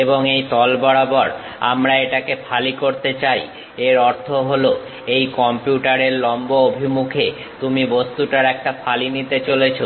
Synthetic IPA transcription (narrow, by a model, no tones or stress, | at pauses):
eboŋejt̪ɔlbɔɽabɔɾ | a̰mɾaeʈakepʰalikoɾt̪et͡ɕaj | eɾɔɾt̪ʰoɦolo | ejkɔmpijuʈaɾeɾlɔmboobʱimukʰe | t̪umibost̪uʈaɾɛk̚ʈafʰalinit̪et͡ɕolet͡ɕʰo